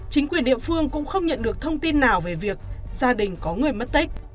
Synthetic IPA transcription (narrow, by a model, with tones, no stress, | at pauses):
t͡ɕï˨˦ŋkwi˨˩ənɗḭ˧˨əfɨ˧əŋkʊ̰˧˥ŋ͡mxə˧wŋ͡mɲə̰˧˨nɗɨ˨˩ək̚t̪ʰə˧wŋ͡mt̪i˧nːaː˨˩wve˨˩vi˨˩ək̚zaː˧ɗï˨˩ŋ̟kɔ˨˦ŋɨ˨˩əjmə˦˥t̚t̪i˦˥k̟̚